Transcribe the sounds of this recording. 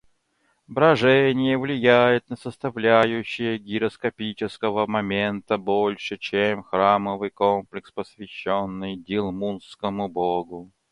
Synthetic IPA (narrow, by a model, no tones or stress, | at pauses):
bɾɐʐɛnʲɪjəvlʲɪjæjɪt̪nəsəst̪ɐvlʲæjʉɕːɪjəɡʲɪɾəskɐpʲit͡ɕɪskəvəmɐmʲent̪əbolʲʂɨt͡ɕemxɾaməvɨjkomplʲɪkspəsvʲɪɕːonːɨjdʲɪlˠmunskəmʊboɡʊ